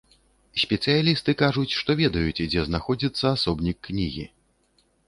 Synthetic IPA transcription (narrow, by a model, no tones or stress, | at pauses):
sʲpʲɛt̪sɨjalʲist̪ɨkaʐut͡sʲʂt̪ɔvʲɛd̪ɐjut͡sʲd͡zʲɛznaxɔd͡zʲit̪sːɐːsɔbnʲikːnʲiɣʲḭ